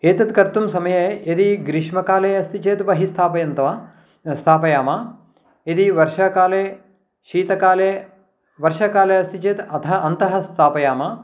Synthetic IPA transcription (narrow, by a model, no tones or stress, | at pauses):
eːt̪ɐt̪kɐɾt̪umsɐmɐjeed̪iɡɾiʂmɐkaːleːɐst̪it͡ʃeːt̪ʋɐɦist̪ʰaːpɐjɐnt̪ɐʋa | st̪ʰaːpɐjaːmaː | ed̪iʋɐɾʃɐkaːleː | ʃiːt̪ɐkaːleː | ʋɐɾʃɐkaːleːɐst̪ʰit͡ʃeːt̪ɐt̪ʰɐʔɐnt̪ɐɦɐ̆st̪ʰaːpɐjaːmaː